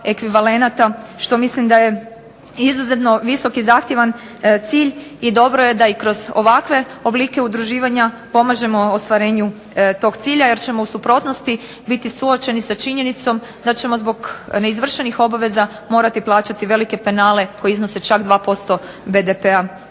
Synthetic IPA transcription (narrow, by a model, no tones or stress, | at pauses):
e̞kʋiʋale̞nat̪aʃt̪o̞mislimd̪aje̞ | izuze̞t̪no̞ʋiso̞kizaːxt̪je̞ʋan | t̪siːʎid̪o̞bɾoje̞d̪aikɾo̞zo̞ʋakʋe̞o̞bliːke̞ud̪ɾuʒiːʋaɲa | po̞maʒe̞mo̞ːst̪ʋaɾe̞ːɲu | t̪o̞ɡt̪siːʎaje̞ɾt͡ɕe̞mo̞usupɾo̞t̪nost̪i | bit̪isuo̞t͡ʃe̞nisat͡ʃiɲe̞nit̪so̞m | d̪at͡ɕe̞mo̞zbo̞ɡne̞izʋr̩ʃe̞nixo̞baʋe̞za | mo̞ːɾat̪iplˠaːt͡ɕat̪iʋe̞like̞pe̞naːle̞ko̞jeizno̞se̞t͡ʃakd̪ʋaːpo̞st̪o̞ | be̞d̪epea